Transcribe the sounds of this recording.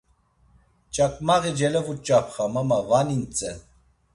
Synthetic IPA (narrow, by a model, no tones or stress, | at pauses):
t͡ʃʼakʼmaɣid͡ʒɛlɛvut͡ʃʼapʰχamamavanint͡sʼɛ